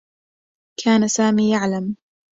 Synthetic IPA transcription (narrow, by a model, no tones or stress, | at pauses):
kʰaːnasaːmiːjaʕlam